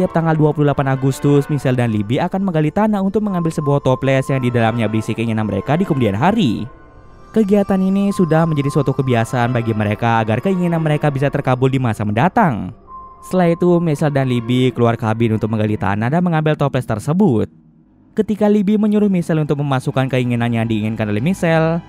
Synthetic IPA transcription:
t̪iap̚t̪aŋɡalduapululapanaɡust̪ʊsmisɛldanlibiakanməŋɡalit̪anaunt̪ʊk̚məŋambɪlsəbuaht̪ɔplɛsjaŋdidalamɲabɾisikəiŋinanməɾḛkadikəmudianɦaɾḭ | kəɡiat̪aninisudahməɲd͡ʒadisuwat̪ukəbiasaanbaɡiməɾekaːɡarkəiŋinanməɾekabisat̪ərkabʊldimasaməndat̪aŋ | səlait̪umisɛldanlibikəluarkabɪnunt̪ʊk̚məŋɡalit̪a̰nadanməŋambɪlt̪oplɛst̪ərsəbʊt̪̚ | kət̪ikalibiməɲuɾʊhmisɛlunt̪ʊk̚məmasukankəiŋinanjaŋdiːŋɪnkanolɛhmisɛl

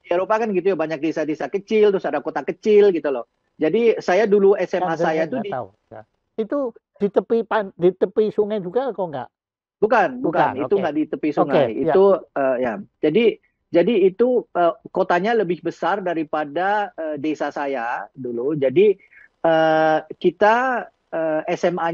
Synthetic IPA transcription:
ieɾopakanɡit̪ujabaɲak̚desadesakət͡ʃɪlt̪ɾʊsadakot̪akət͡ʃɪlɡit̪ulɔh | d͡ʒadisajaduluɛsɛmmasajat̪udi | it̪u | d̥it̪əpipandit̪əpisuŋajd͡ʒuɡakoŋɡa̰ʔ | bukanbukanit̪uŋɡaʔdit̪əpisuŋajḭt̪uəːjad͡ʒadi | d͡ʒadiːt̪uəːkot̪aɲaləbɪhbəsardaɾipadaəːdesasajadulud͡ʒadi | əːkit̪a | əːɛsɛma

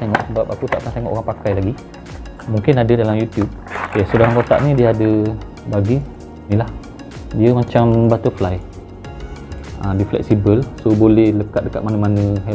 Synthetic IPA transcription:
t̪eŋɔ̰ʔsəbap̚akut̪aʔkant̪eŋɔ̰ʔoɾaŋpakajlaɡi | muŋkɪnadədalamjut̪jub̚jasudaɾaŋkot̪a̰ʔnĩdiəadə | baɡi | nĩlah | diəmat͡ʃambat̪əflaj | ədiflɛ̰k̚sibəlsobolɛhləkat̪̚dəkat̪̚manəmanə̃ɦ

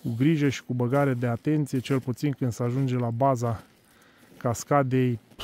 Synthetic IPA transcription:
kuɡɾiʒəʃi̥kubəɡaɾed̪e̞at̪e̞nt̪sije̞t͡ʃe̞lput̪sinkɨnd̪səaʒund͡ʒe̞labaza | kaskad̪e̞j

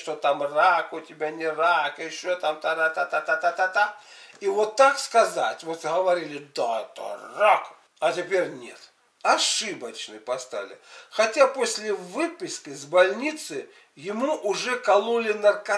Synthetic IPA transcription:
ʂt̪ot̪amrakʊtʲɪbʲanʲɪrakɨɪɕːot̪amt̪aɾat̪at̪at̪at̪at̪at̪a | ivot̪ːakskɐzatʲvot̪ɦɐvɐɾʲilʲɪd̪aɛt̪ə̰rak | ɐtʲɪpʲeɾʲnʲḛt̪ | ɐʂɨbɐt͡ɕnɨpɐst̪a̰lʲɪ̰xɐtʲaposʲlʲɪvɨpʲɪskɪzʲbɐlʲnʲit̪sɨ | jɪmuʔʊʐɛkɐlˠulʲɪnɐrkɐ

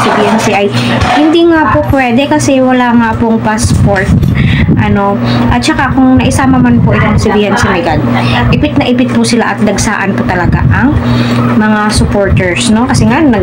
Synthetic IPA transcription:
sibiʔɛnsiʔɐj | hɪnd̪iŋaːpopwɛːd̪ɛkɐsɛwɐlaːŋaːpoŋpaspoɹt̪̚ʔɐno̞ | ʔɐt̪̚t͡ʃɐkakʊŋnɐʔɪsaːmɐmanpoʔɪt̪oŋsɪbihɛnsɪmɛɡɐd̪̚ʔɪpɪt̪̚nɐʔɪpɪt̪̚pʊsɪlaʔɐt̪̚d̪ɐɡsaːʔɐnpʊt̪ɐlɐɡa̰ʔɐŋmɐŋasʊpoɹt̪ɛɹsno̞kɐsɛŋannɐ

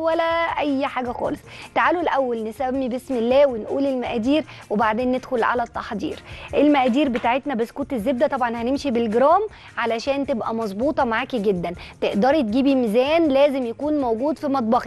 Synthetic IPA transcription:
wælæʔæjːħaːɡæxɑ̰ːlesˤt̪aʕaːlolʔæwːælnesæmːibesmelːæːwenʔṵːlelmæʔæːd̪iːɾwebaʕd̪eːnːed̪xolʕa̰læt̪ˤːɑħd̪ḭːɾʔelmæʔæːd̪iːɾbet̪aːʕet̪næbæsːkot̪ezːeb̚d̪æt̪ˤɑbʕɑnhænemʃibelɡeɾɑːm | ʕalæʃæːnt̪ebʔæmɑzˤbuːt̪ˤɑmaʕaːkiɡed̪ːænt̪eʔd̪ɑɾˤt̪̚ɡiːbimezæːnlæːzemjækuːnmowɡuːd̪fimɑt̪̚ˤbɑxi

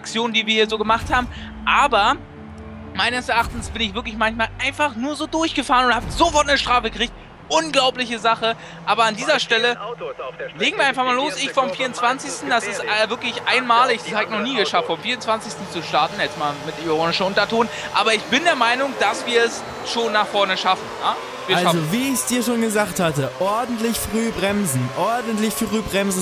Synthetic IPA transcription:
ak̚t͡sjoːnəndiːviːɐhiːɐzoːɡəmaχthaːbm̩ | ʔaːbɐ | maɪnəsɛɐʔaχtn̩sb̥ɪnɪçvɪɐklɪçmançmaːlʔaɪnfaχnuːɐzoːdʊɐçɡ̥əfaːʁənʊnthaːbəzofɔɐtnəʃtʁ̥aːfəɡəʁɪçt̚ | ʔʊnɡlaʊplɪçəzaχə | ʔaːbɐandiːzɐʃtɛlə | leːɡŋ̩viːɐaɪnfaχmaːloːsɪçfɔmfiːɐʁʊnt͡sv̥ant͡sɪçstn̩d̥asɪstvɪɐklɪçʔaɪnmaːlɪç̥zaːɡɪnɔχniːɡəʃaftfɔmfiːʊnt͡sv̥ant͡sɪçstn̩t͡suʃtaɐtn̩jɛt͡stmaːlmɪtdemoːnɪʃn̩ʔʊntɐtʰoːn | ʔaːbɐɪçb̥ɪndeːɐmaɪnʊŋd̥asv̥iːɐɛs | ʃoːnːaːχfɔɐnəʃafn̩jaː | viːɐaʃlzoviːɪçsd̥iːɐʃoːnɡəzaːkthatəʔɔɐdn̩tlɪçfʁ̥yːbʁɛmzn̩ʔɔɐdn̩tlɪçfʁyːbʁɛmz̩

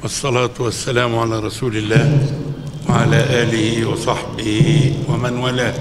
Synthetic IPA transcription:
ʔɑsˤːɑlɑːt̪wasːalaːmʕalaːɾˤɑsuːlɪlːaːh | waʕalaːʔaːlɪhɪwɑsˤɑħbɪhɪwamanwalaː

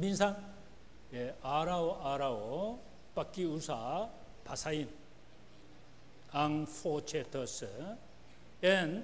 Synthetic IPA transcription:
bĩnsan | eaɾawoʔaɾao | pakːiusa | pʰasajin | aŋfot͡ʃʰet̪ʰəs | en

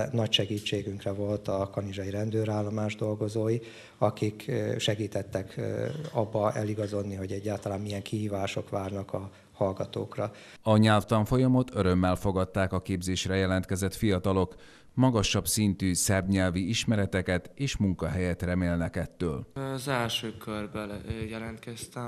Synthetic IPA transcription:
nɒcʃɛɡiːt͡ʃːeːɡyŋkrɛvo̞lt̪ɒkɒniʒɒjiɾɛnd̪øːɾaːlːomaːʒd̪o̞lɡo̞zoːji | ɒkikʃɛɡiːt̪ɛt̪ːɛkɒbːɒɛ̰liɡɒzo̞d̪niɦo̞ɟɛɟːaːlt̪ɒlaːmːijɛŋkiɦiːvaːʃo̞kʋaːrnɒkɒ | hɒlɡɒt̪o̰ːkrɒ | ɒɲɛlft̪ɒɱfo̞jɒmo̞t̪ʰø̞ɾø̞mːɛlfo̞ɡɒt̪ːaːkɒkeːbzeːʃrɛjɛlɛn̪t̪kɛzɛt̪fijɒt̪ɒlo̞k | mɒɡɒʃɒbsint̪yːsɛbɲɛlviiʃmɛɾɛt̪ɛkɛt̪eːʃmuŋkɒɦɛjɛt̪rɛmeːlnɛkɛt̪ːøːlzɛlʃøːkørbɛljɛlɛnt̪kɛst̪ɛ

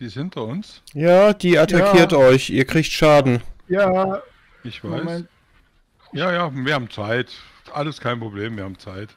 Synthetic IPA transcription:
iːɪshɪntɐʊns | jaːd̥iːʔatʰakiːɐtʔɔɪçʔiːɐkʁ̥iːçtʃaːdn̩jaː | ʔɪçv̥aɪs | jaaːjaːviːɐhaːbm̩t͡saɪt | ʔaləskʰaɪnpʁ̥obleːmviːɐhaːbm̩t͡saɪt

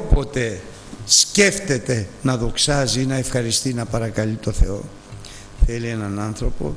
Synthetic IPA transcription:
pot̪e̞ | sce̞ft̪e̞t̪e̞nɐðo̞ksɐzinɐe̞fxɐɾist̪inɐpɐɾɐkɐlit̪o̞θe̞o̞̰ | θelie̞nɐnɐnθɾo̞po̞̰

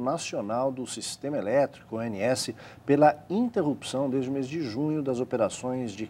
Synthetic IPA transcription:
nasionawd̪ʊsist̪ẽmɐelɛt̪ɾi̥kʊeniɛsɪ | pelɐĩnt̪eɦupsɐ̃w̃d̪ezd͡ʒɪʊmezd͡ʒɪʒũɲʊd̪ɐzopeɾasõj̃zd͡ʒɪ

